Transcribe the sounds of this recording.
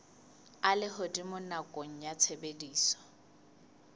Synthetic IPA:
alɪɦʊdimʊnakʼoŋ̩jat͡sʰebediːsɔ̥

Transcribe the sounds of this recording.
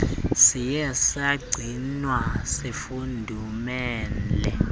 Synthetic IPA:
sijɛsaɡ͡ǀʱinwasifundʱumɛːnlɛ

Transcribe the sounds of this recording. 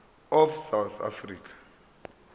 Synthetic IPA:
ɔfsawθʰa̰friːkʰḁ

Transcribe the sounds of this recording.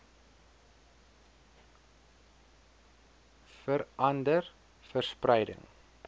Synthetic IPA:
fəɾʔɐndər | fərsprɛjdə̰ŋ

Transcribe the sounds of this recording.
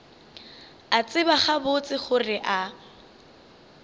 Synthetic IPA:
at͡sʼɪbaχabʊt͡sʼɪχʊrɪʔa

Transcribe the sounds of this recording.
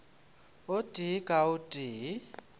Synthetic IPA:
ʊtʼikʼaʊtʼiː

